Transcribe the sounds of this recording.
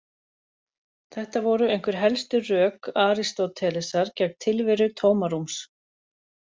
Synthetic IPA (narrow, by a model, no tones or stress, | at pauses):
θɛht̪avɔɾʏejŋ̥kvʏɾ̥ɦɛlst̪ʏrœːkaːɾist̪owt̪ʰɛːlɛsaɾcɛk̚t̪ʰːɪlvɪɾʏt̪ʰoːwmaɾums